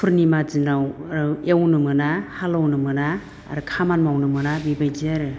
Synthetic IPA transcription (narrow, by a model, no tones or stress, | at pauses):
pʰuɾnimazinawaɾɯewnɯmɯnahalawnɯmɯna̰ː | ɾɯkʰamanmawnɯmɯnabibajd͡ʒiaɾɯ